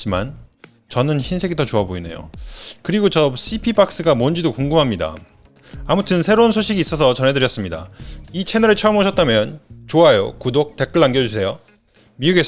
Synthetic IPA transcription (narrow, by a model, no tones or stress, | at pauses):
t͡ɕ͈ima̰n | t͡ɕʌnɯnçinsʰe̞ɡidʌt͡ɕoaboine̞̰jo̰kɯɾiɡot͡ɕʌs͈ʰipʰipak̚s͈ɯɡamʌnd͡ʑidokoŋɡɯmɦamɲida̰ | amutʰɯnsʰe̞ɾounsʰoɕʰiɡiːs͈ʌsʰʌt͡ɕʌnɦe̞dɯɾjʌs͈ɯmɲida̰it͡ɕʰe̞nʌɾɯɭt͡ɕʰʌʌmɦoɕʰʌt̚t͈amjʌnt͡ɕoajo̰kudok̚te̞k͈ɯɭːanɡjʌd͡ʑusʰe̞jo | miuɡe̞